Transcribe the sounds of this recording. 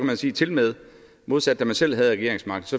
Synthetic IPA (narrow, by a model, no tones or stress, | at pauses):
kæmænsiːt͡sʰe̝lmeð̞ˠ | mo̝ð̞ˠsæd̥̚ːæmænsel̰ɦæð̩ˠʁɛɡe̝ɐ̰eŋsmɑ̈ɡ̥ð̩ˠsɒ̽